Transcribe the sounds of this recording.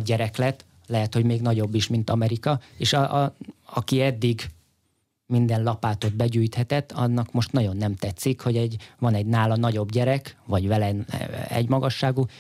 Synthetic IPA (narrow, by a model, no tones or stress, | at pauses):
ɟɛɾɛklɛt̪ː | lɛɦɛt̪ho̞ɟmeːɡnɒɟo̞bːiʃmin̪t̪ɒmɛɾikɒeːʃɒ | ɒkiɛd̪ːiɡ | mind̪ɛnlɒpaːt̪o̞d̪̚bɛɟyːjt̪hɛt̪ɛt̪ːɒ̰nːɒkmo̞ʃt̪nɒɟo̞nːɛmt̪ɛt̪sːikho̞ɟɛɟvɒnɛɟnaːlɒnɒɟo̞bɟɛɾɛkvɒɟvɛlɛnɛ̰ɟmɒɡɒʃːaːɡu